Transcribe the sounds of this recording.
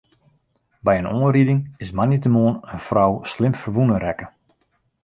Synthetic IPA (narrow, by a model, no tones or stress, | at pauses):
bɛjənoːnɾidɪŋɪsmanitəmoːnənfrɔwslɪmfərʋunəɾɛkə